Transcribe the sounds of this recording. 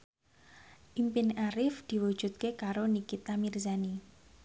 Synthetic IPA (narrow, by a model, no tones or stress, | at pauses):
ʔimpɪnaɾɪfd̪̥i̤wu̥ʒ̥ṳt̪̚kekaɾonikit̪amirzani